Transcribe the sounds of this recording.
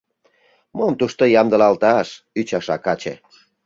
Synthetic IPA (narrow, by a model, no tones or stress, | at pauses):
momt̪uʃt̪ojɑmd̪əlɑlt̪ɑʃ | yt͡ɕɑʃɑkɑt͡ɕḛ